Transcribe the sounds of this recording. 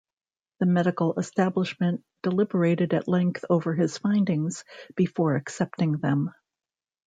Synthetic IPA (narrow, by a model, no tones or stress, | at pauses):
ðɨmɛɾɨkl̩ˠəstæbləʃmɨ̃n | d̥əlɪbə˞eɪɾɨɾɨ̰ʔˡlɛ̃ŋk̚θoʊvə˞ɨz̥fãɪ̃ndɪ̃ŋz̥b̥ɨfɔɹɨksɛp̚tɪ̃ŋðɨ̃m